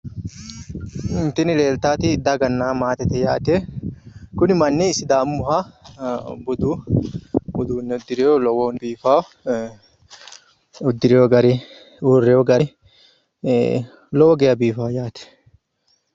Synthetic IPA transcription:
ɪnt̪ɪnɪleːlt̪aːt̪ɪd̪aɡɐnːaːmaːt̪ɛt̪ɛja̰ːt̪e | kʊnɪmɐnːiːsɪd̪aːmːʊɦa | bʊd̪uː | bʊd̪uːnːɛʊd̪ːɪɾɪjolɔwɔnbiːfaː | ʊd̪ːɪɾɪjɔɡɐɾi | uːrɛjɔɡɐɾ | lɔwɔɡɛjɐbiːfaːjaːt̪ɛ̥

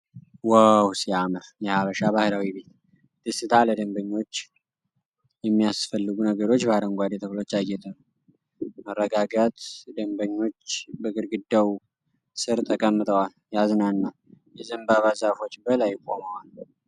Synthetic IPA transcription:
wəwsiaməɾjɛhaβəʃaβahlawibe̞t̪ | d̪̥ɨsɨt̪ʰaləd̪əmbəɲːo̞t͡ʃː | jɛmːijasfəlːɨɡunəɡəɾo̞t͡ʃːbahɾəŋɡʷad̪et̪ʰəβlo̞t͡ʃːaɡet̪ʰənəw | mərːəɡaɡət̪d̪əmbəɲːo̞t͡ʃːbəɡɨɾɡɨd̪ːaw | sɨɾt̪ʼʰəkʼəmːɨt̪ʼəwal | jaznanːa | jɛzɨmbaβazafo̞t͡ʃːbəlajkʼo̞mawal

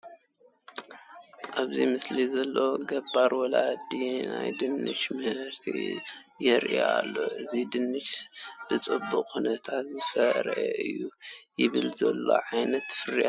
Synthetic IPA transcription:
ʔaβzimɨslizɐlːo̞ɡɐbːaɾwɔlad̪ina̰jd̪ɨnːɨ̰ʃmɨhɨɾt̪ʰḭ | jɛɾʔialːo̞ʔɨzid̪ɨnːɨʃb̥ɨt͡sʼɨbːuqʼkunɐt̪ʰat̪zɨfɐɾʔɛʔɨ̰jːujɪβɨlzɐlːo̞̰ʕajnɐt̪fɨɾiʔa

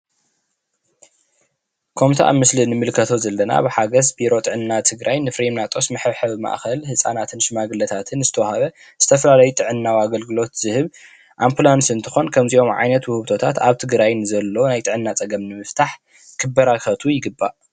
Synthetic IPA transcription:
kʰomt̪ʰaʔa̰mɨslinɨmɨlkʰɐt̪ʰo̞zɐlːɐna̰bɨħaɡɐsbiɾo̞t̪ʼɨʕɨnːat̪ʰɨɡɾajnɨfɾimnat̪ʼo̞smɨħɨβħɨβɨma̰ʔxɐlhɨsʼa̰nat̪ʰɨnʃɨmaɡɨlɐt̪ʰat̪ʰɨnzɨt̪ʰɐwahaβɐ | z̥ɨt̪ʰɐfɐlalɐjut̪ʼɨʕɨnːawaɡɐlɡɨlo̞t̪z̥ɨhɨβ | ʔampʰulansɨnt̪ʰɨxo̞nkʰɐmziʔo̞mʕa̰jnɐt̪wʊhɨβt̪ʰo̞t̪ʰat̪aβt̪ʰɨɡɾajnɨzɐlːo̞najt̪ʼɨʕɨnːat͡sʼɐɡɐmnɨmɨft̪ʰaħ | kʰɨbɐɾaxɐt̪ʰujɪɡɨbːa̰ʔ

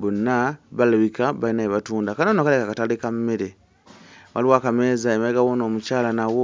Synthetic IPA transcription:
βunaβalaβikaβainaeβatuːndakanonokalekakatalikammiɾe | waliwakamezaemaleɡawonoːmucaːlanawo

